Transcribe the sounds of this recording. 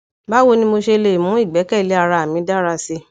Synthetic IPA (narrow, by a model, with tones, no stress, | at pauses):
ba˦wo˧nĩ˧mo˧ʃe˧le˧˨i˨mũ˨˦i˦˨ɡ͡bɛ˨˦kɛ˦i˨le˨˦a˧ɾa˧a˨mĩ˨˦da˦ɾa˧se˧